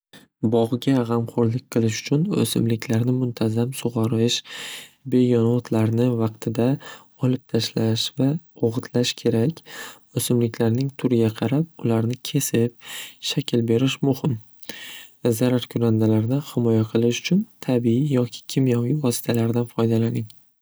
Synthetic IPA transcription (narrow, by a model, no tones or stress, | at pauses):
bɒʁɡʲaʁɑmqʰoɾlɪk̚ʲqʰɨlˠɪʃʊ̥t͡ʃʰʊnɵ̰sɪmlɪkʲʰlaɾnɪmʊnt̪ʰazamsʊʁɑɾɪʃbe̞jɒnɒt̪ʰlaɾnɪvɑqt̪ʰɪd̪a | ɒlˠɪp̚t̪ʰaʃlaʃvaoʁʊt̪ʰlaʃkʲʰe̞ɾakʲ | ɵsɪmlɪkʲʰlaɾnɪŋt̪ʰʊɾɪɡʲaqʰɑɾap̚ʊlaɾnɪkʲʰe̞sɪp̚ʃakʲʰɪlbe̞ɾɪʃmʊhɪm | zaɾaɾkʲʰʊɾand̪alaɾd̪ɪhɪmɒjaqʰɨlˠɪʃʊ̥t͡ʃʰʊnt̪ʰabiijɒkʲʰɪ̥kʲʰɪmjɒvijvɒsɪ̥t̪ʰalaɾd̪anfɒjd̪alanɪŋ